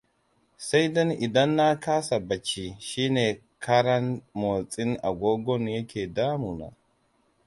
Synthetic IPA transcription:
sa˦jdɔ˦nʔɪ˨dɐ˦nːa˦kaː˦sa˨bɐ˨t͡ʃiː˦˨ʃiː˦neː˨ | kʰɐ˦ɽɐ˦nmoː˨t͡sʼɪ˦nʔa˨ɡʷoː˦ɡʷɔ˦njɐ˦kʲʰeː˨daː˦mu˨na̰˨

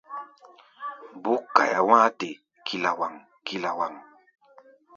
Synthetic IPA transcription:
bu˦kːa̰˨ja˨wã˦te˨ | kʰi˨la˨wa˨ŋ | ki˨la˨wa˨ŋ

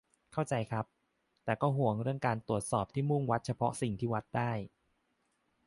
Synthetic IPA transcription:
kʰa˥˩wt͡ɕa˧jkʰɾa˦˥p̚ | t̪ɛː˨˩kɔː˥˩ɦu˨˩˦əŋɾɯ˥˩əŋkaː˧nt̪u˨˩ət̪̚sɔː˨˩p̚t̪ʰiː˥˩mu˥˩ŋwa˦˥t̪̚t͡ɕʰa˧pʰɔ˦˥si˨˩ŋt̪ʰiː˥˩wa˦˥t̪̚daː˥˩j

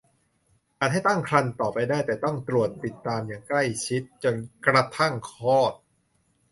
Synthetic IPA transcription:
ʔaː˨˩t̪̚ha˥˩jt̪a˥˩ŋkʰɾa˧nt̪ɔː˨˩p̚ːa˧jdaː˥˩jt̪ɛː˨˩t̪ɔ˥˩ŋt̪ɾu˨˩ət̪̚pi˨˩t̪ːaː˧mjaː˨˩ŋkla˥˩jt͡ɕʰi˦˥t̪̚t͡ɕo˧nkɾa˧t̪ʰa˥˩ŋkʰɔː˥˩t̪̚

